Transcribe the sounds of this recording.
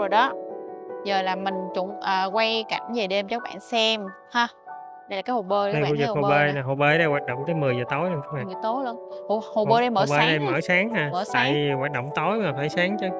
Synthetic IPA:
o˨˩jɗɔ˨˦zəː˨˩laː˨˩mï˨˩ŋ̟t͡ɕʊ̰˧˥ŋ͡mʔəː˨˩kwa˧jka˧˩jŋ̟ve˨˩ɗe˧mt͡ɕɔ˨˦˥k̚ɓa̰ː˧˨nsɛ˧m | haː˧ | ɗə˧jlaː˨˩aː˨˦jho˨˩ɓəː˧nə˧˨fu˧vɨ˨˩˧kho˨˧ɓə˧na˨˩ɦo˨˩ɓe˧˩ɗə˧jwaː˨˩t̚ɗə̰˧˨wŋ͡mt̪əː˨˦jmɨ˨˩əjzəː˨˩t̪o˨˦jlə˧nkʰa˧˨˦ma̰ː˨ŋɨ˨˩˨t̪o˨˦jlo˧nho˧˨˩ho˨˩ɓəː˧ɗə˧jməː˨˧˦ɓə˧˦˨ɗə˧jməː˧˦saː˨˦ŋhaː˨˧˩məː˧˦tsaː˧˨˦jvi˨˩waː˨˩t̚ɗə̰˧˨wŋ͡mt̪o˨˦jmaː˨˩faː˧˩jsaː˨˦ŋt͡ɕə˨˦

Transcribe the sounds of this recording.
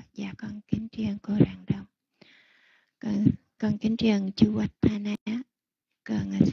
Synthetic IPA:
zaː˨˩kɔ˧nki˨˦ŋt͡ɕi˧˩əŋko˧ɾaː˨˩ŋɗə˧˩m˧ | kɔ˧nki˨˦t͡ɕi˧˩əŋt͡ɕu˧wa˨˧˩t̚t̪ʰa˧na˧˦ | kə˧˩ŋa˨˩s

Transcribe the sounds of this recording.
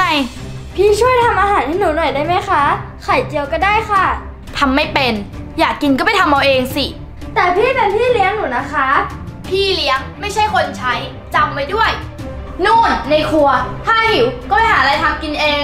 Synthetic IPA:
a˧˩j | pʰiː˥˩t͡ɕʰu˥˩əjt̪ʰa˧mʔaː˧ɦaː˨˩˦nʔi˧˥˩nuː˨˩˦nɔ˨˩jdaː˥˩jma˦˥jxʰa˦˥ | kʰa˨˩jt͡ɕi˧əwkɔː˥˩daː˥˩jxʰa˥˩ | t̪ʰa˧mːa˥˩jpe˧njaː˨˩kːi˧nkɔː˥˩pa˨˩jt̪ʰa˧mʔa˧wʔeː˧ŋsi˨˩ | t̪ɛː˨˩pʰiː˥˩p̪e˧npʰiː˥˩li˦˥əŋnuː˩˦na˦˥kʰa˦˥pʰiː˥˩li˦əŋma˥˩jt͡ɕʰa˥˩jkʰo˧nt͡ɕʰa˦˥j | t͡ɕa˧mːa˧˩jdu˥˩əj | nuː˥˩nːa˧jkʰu˧ɐt̪ʰaː˥˩hi˨˩˦wkɔː˥˩pa˨˩jhaː˩˦˧a˧jt̪ʰa˧mki˧nʔeː˧ŋ

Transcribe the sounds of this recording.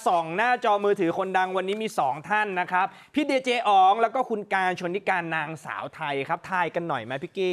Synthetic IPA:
sɔ˩˦ŋnaː˥˩t͡ɕɔː˧mɯː˧t̪ʰɯː˩˦kʰo˧nda˧ŋwa˧nːiː˦˥miː˧sɔː˩˦ŋt̪ʰa˥˩nːa˦˥kʰɾa˦˥p̚ʰːiː˥˩deː˧t͡ɕeː˧ʔɔː˨˩ŋlɛ˦˥wkɔː˥˩kʰu˧nkaː˧nt͡ɕʰu˧ənt̪ʰi˦˥kaː˧nːaː˧ŋsa̰ː˩˦wt̪ʰa˧jkʰɾa˦˥p̚t̪ʰaː˧jka˧nːɔ˨˩jmaː˧pʰi˦˥kiː˥˩

